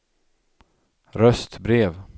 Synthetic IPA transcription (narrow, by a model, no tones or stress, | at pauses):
ɾœst̪bɾeːv